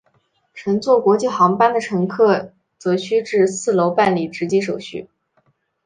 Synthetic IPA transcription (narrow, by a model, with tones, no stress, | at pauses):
ʈ͡ʂʰɤ˧˥ŋt͡swɔ˥˩kwɔ˧˥t͡ɕi˥˩xɑ˧˥ŋpa˥nd̪ə˨ʈ͡ʂʰɤ˧˥ŋkʰɤ˥˩ | t͡sɤ˧˥ɕʰy˥ʈ͡ʂɻ̩˥˧sɹ̩˥˩lo˧˥ʊpa˥˩nli˨˩ʈ͡ʂɻ̩˧˥t͡ɕi˥ʂ̬o˨˩ʊɕy̰˥˩